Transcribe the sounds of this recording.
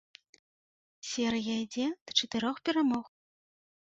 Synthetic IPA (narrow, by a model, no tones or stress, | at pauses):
sʲɛɾɨjɐid͡zʲɛd̪̥t͡ʂɐt̪ɨɾɔxpʲɛɾamɔɣ